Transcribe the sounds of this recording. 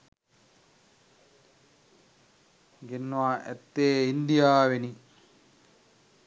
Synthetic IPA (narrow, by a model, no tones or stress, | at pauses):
ɡenːuaːʔɛt̪ːeːind̪ijaːʋeni